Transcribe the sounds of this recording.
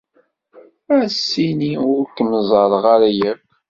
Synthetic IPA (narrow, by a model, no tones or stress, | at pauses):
æsːiniʊɾkəmzˤɑɾˤʁaɾæjæb